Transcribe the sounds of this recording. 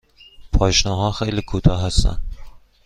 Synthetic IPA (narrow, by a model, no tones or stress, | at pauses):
pʰɒjʃnɒɦɒχejlɪkʰot̪ʰaɦasa̰n